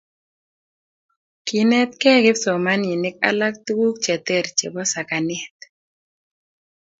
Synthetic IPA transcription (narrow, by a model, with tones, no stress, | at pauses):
kɪ˦nɛ˦t̪̚kɛ˦ɡɪ˦psɔ˨ma˦ni˨nɪ˦k̚a̰˦la˦k̚t̪u˦wu˦kt͡ʃɛ˨t̪ɛ˦ɾt͡ʃḛ˨bɔ˦sa˨ka˨nɛ˦t̪